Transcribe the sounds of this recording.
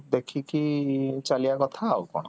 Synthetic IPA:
d̪ekʰikit͡ʃalijakɔt̪ʰaokɔ̰ɽɔ

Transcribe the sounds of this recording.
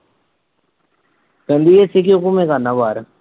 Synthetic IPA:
kənd̪iːeːsɪkijoːkumẽːkaːnəʋaːɾ

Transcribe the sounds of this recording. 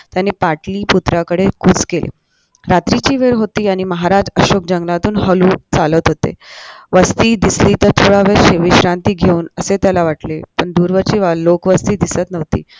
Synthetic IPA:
t̪janepaʈliːput̪ɾakəɽekut͡skelḛ | ɾat̪ɾit͡ɕiːʋeɾɦot̪iːañiməɦaɾad͡ʑəɕok̚d͡ʑəŋɡlãt̪uːnɦəluːt͡salət̪ɦot̪ḛʋəst̪iːd̪isliːt̪əɾt̪ʰoɽaʋeɾɕeʋiɕɾant̪iːɡʱeuːnəset̪jalaʋaʈlepəɳd̪uːɾʋəɾt͡ɕiːʋalokʋəst̪iːd̪isət̪nəʋt̪ḭː

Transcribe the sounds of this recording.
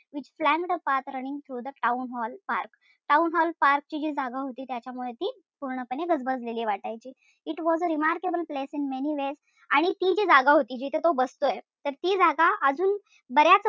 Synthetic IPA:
ʋit͡ɕflæmʈəpat̪ɾənĩŋɡt̪ʰɾud̪əʈaunɦɔlpaɾk | ʈaunɦɔlpaɾk̚t͡ɕiːd͡ʑiːd͡zaɡaɦot̪iːt̪jat͡ɕjamuɭet̪iː | puɾɳəpəneɡəd͡zbəd͡zleliːʋaʈajt͡ɕiː | iʈʋɔzəɾimaɾkebəlplesinmeniʋez | aɽ̃it̪id͡ʑid͡zaɡaɦot̪iːd͡ʑit̪ʰet̪obəst̪ojet̪əɾt̪iːd͡zaɡaʔəd͡zuːn | bəɾjat͡s

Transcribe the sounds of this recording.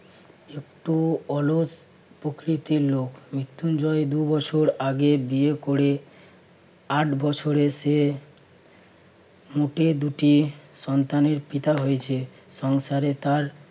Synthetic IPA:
ek̚ʈuɔlod͡ʑ | pɾokɾit̪iɾlokmɾit̪ːund͡ʑɔed̪ubɔt͡ɕʰoɾaɡebiekoɾe | aʈbɔt͡ɕʰoɾeʃe | muʈed̪uʈiʃɔnt̪aneɾpit̪aɦojet͡ɕʰe | ʃɔŋʃaɾet̪aɾ

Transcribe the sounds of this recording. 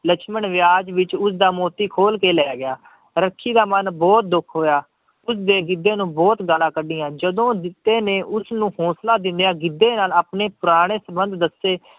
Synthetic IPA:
lət͡ʃʰməɳʋɪjaːd͡ʒʋɪt͡ʃʊs̬d̪aːmoːt̪iːkʰoːlkeːlɛːɡɪjaː | ɾəkʰːiːd̪aːmənbɔːt̪̚d̪ʊkʰɦoːjaː | ʊsd̪eːɡɪd̪ːeːnũːbɔːt̪ɡalãːkəɖɪːãːd͡ʒəd̪õːd̪ɪt̪ːeːneːʔʊsnũːhɔːslaːd̪ɪnd̪ejãːɡɪd̪ːeːnaːlaːpneːpʊɾaːɽ̃eːsəbənd̪d̪əsːeː

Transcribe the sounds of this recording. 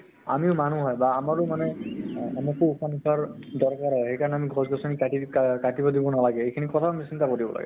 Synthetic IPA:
a̰miʊmanuɦɔjbaːmaɹʊmanɛamakuupʰanisʰaɹdɔɹkaɹɦɔjxejkaɹɔnɛamiɡʱɔzɡɔsɔnikatikatibɔdibɔnalaɡɛejkʰinikɔtʰaamisintakodibɔ̰la̰ɡɛ̰

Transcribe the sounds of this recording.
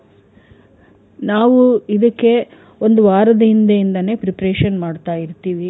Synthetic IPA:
naːʋuid̪ɐkːe̞ | o̞nd̪uʋaːɾɐd̪ɐind̪ɐjind̪ɐne̞ːpɾipɐɾeːʃɐnmaːɖt̪aːjiɾt̪iːʋi

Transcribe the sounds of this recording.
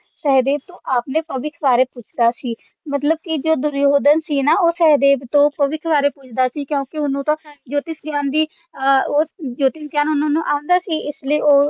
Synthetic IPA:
sɛɦd̪eːb̚t̪õːʔaːpnẽːpəʋɪk̪ʰʋaːɾeːpʊt͡ʃʰd̪aːsiː | mət̪ləb̚kɪd͡ʒoːd̪ʊɾjoːd̪ənsiːnaːoːsɛɦd̪eːbt̪õːpəʋɪk̪ʰʋaːɾeːpʊt͡ʃʰd̪aːsiːkjõːkiʊnũːt̪õːd͡ʒoːt̪ɪsɡjaːnd̪iː | oːd͡ʒoːt̪ɪsɡjaːnʊnõːnũːʔãːnd̪aːsiːʔɪsləiːoː

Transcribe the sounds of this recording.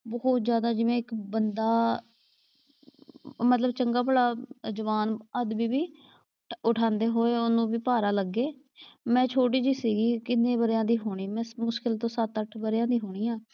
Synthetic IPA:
bəːɔːt̪zjaːd̪aːd͡ʒɪʋẽːɪkbənd̪aː | mət̪ləbt͡ʃəŋɡaːpəɽaːd͡ʒəʋaːnəd̪biːbiː | ʊʈʰãːnd̪eːɦoːeːʊnːũːbiːpaːɾaːləɡːeː | mɛ̃ːt͡ʃʰoːʈ̬iːd͡ʒiːsiːɡiːkɪnːẽːbəɾjãːd̪iːɦoːɽ̃iːmɛ̃ːmʊʃkɪlt̪õːsət̪əʈʰbəɾjãːd̪iːɦoːɽ̃iːãː

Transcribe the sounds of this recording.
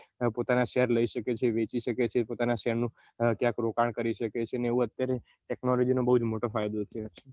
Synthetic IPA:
pot̪anaʃɛɾləiʃəket͡ʃʰeʋet͡ʃiʃəket͡ʃʰepot̪anaʃɛɾnũ | kjãkɾokaɳkəɾiʃəket͡ʃʰeneeʋũət̪jaɾe | ʈɛknɔlɔd͡ʒinobəɦud͡ʒmoʈofajd̪ot͡ʃʰe

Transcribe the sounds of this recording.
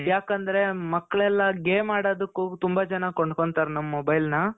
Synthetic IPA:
jaːkɐnd̪ɐɾe̞mɐkːɭɛlːɐɡeːmaːɽoːd̪ɐkːut̪umbad͡ʒɐnɐkoɳɖko̞ɳɖt̪aːɾnɐmːɐmobɐjlnɐ

